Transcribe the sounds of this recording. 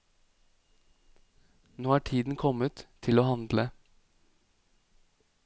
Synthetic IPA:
noːæːʈʰiːd̪n̩kʰɔmət̪ʰːɪloːhɑnd̪lə

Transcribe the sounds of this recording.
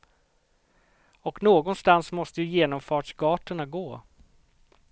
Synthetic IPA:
ɔknoːɡɔnst̪ansmɔst̪əjɵjeːnɔmfɑːʈʂɡɑːʈəɳaɡoː

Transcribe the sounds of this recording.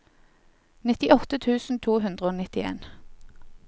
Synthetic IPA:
nɪt̪ɪʔɔt̪ət̪ʰʉːsn̩t̪ʰuːɦʉnd̪ʁəoːnɪt̪ɪḛːn

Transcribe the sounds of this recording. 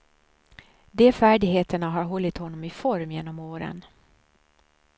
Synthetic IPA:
d̪eːfæːɖɪɡɦeːt̪əɳaɦaɾɦɔlːɪt̪hɔnːɔmɪfɔɾmjeːnɔmoːɾə̰n

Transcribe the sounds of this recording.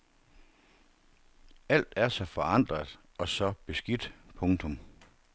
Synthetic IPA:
æl̰d̥æɐsɒ̽fɒ̽ɑ̈n̰d̥ʁɐðˠ | ɒ̽sɒ̽b̥e̝sɡ̥id̥pʰɔ̽ŋt͡sʰɔ̽m

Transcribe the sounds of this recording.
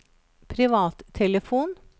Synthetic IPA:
pʰɾɪʋɑːt̪t̪ʰːɛləfuːn

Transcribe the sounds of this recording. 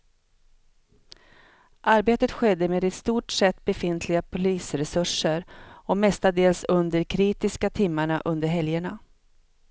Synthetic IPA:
ʔaɾbeːt̪ət̪ɧɛd̪ːəmeːd̪ɛt̪st̪uːʈʂɛt̪ːbɛfɪnt̪ʰlɪɡapʰʊliːsɾɛsɵʂəɾɔmɛst̪ad̪eːlsɵnd̪əɾkʰɾiːt̪ɪskat̪ʰɪmːaɳaʔɵnd̪əɾɦɛljəɳa

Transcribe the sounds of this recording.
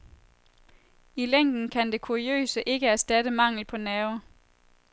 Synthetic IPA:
ileŋ̰d̥n̩kʰænd̥e̝kʰuʁiø̰ːsəʔe̝ɡ̥əæɐsd̥ædəmɑ̈ŋ̰l̩pʰɒ̽nɛːʊ

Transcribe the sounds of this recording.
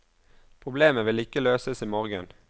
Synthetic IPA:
pʰʁʊbleːməʋɪlɪkəløːsəsiːmɔʁɡə̰n

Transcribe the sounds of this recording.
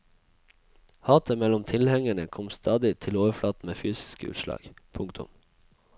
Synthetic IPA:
hɑːt̪ʰəmɛlʊmt̪ʰɪlhɛŋəɳəkʰɔmst̪ʰɑːd̪ɪt̪ʰɪloːʋəflɑːt̪n̩meːfyːsɪ̥skəʉ̰ːt̪ʃlɑ̰ːɡ̥pʰʊŋkt̪ʰʊ̰m

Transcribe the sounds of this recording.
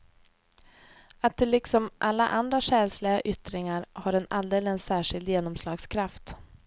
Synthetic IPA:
at̪̚d̪ɛlːɪksɔmʔalːa̰ʔand̪ɾaʂɛːlslɪɡaʔʏt̪ɾɪŋaɾhaɾɛnald̪eːlɪənsæːʂɪld̪jeːnɔmslɑːɡskʰɾaft̪

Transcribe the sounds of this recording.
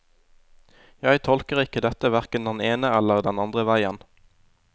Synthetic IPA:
jæɪt̪ʰɔlkəʁɪkəd̪ɛt̪əʋæʁkənd̪ɛneːnəɛləʁd̪ɛnɑnd̪ʁəʋæɪən

